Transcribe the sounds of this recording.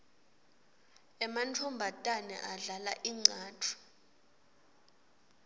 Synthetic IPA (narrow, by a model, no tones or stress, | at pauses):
ɛmantʰɔmbʱatʼanɛ̰ʔaɮalaʔiŋ͡ǀʱaːtʰu̥